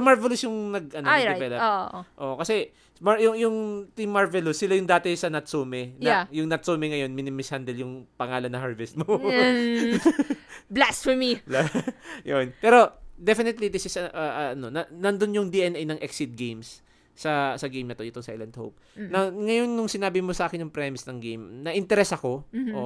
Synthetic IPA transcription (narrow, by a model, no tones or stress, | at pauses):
sɐmaɹvɛlʊsjʊŋnɐɡ̚ʔɐnoɪvɛlɐoʔʔo̞̰ʔkɐsɛ | majʊŋjʊŋt̪ɪmːaɹvɛlʊsːɪlajʊŋd̪aːt̪ɛsɐnɐt̪suːmɛnɐjʊŋnɐt̪suːmɛŋɐjo̞nmɪnɪmɪshand̪ɛljʊŋpɐŋaːlɐnːɐhaɹvɛst̪̚mo | blasfɔmiblajonpɛːɾo̞d̪ɛfɪnɪt̪lid̪ɪsɪsɐʔɐʔɐɐno̞nɐnɐnd̪onjʊŋd̪iʔɛnɛjnɐŋʔɛksɪt̪̚ɡejmsː | ɐsɐɡejmnɐt̪o̞jɪt̪oŋsɐʔɛlɐnt̪̚ho̰wp̚nɐŋɐjo̞nːʊŋsɪnaːbɪmosɐʔaːkɪnjʊŋpɾɛmɪsnɐŋɡejmnɐʔɪnt̪ɛɾɛsɐko̞ʔo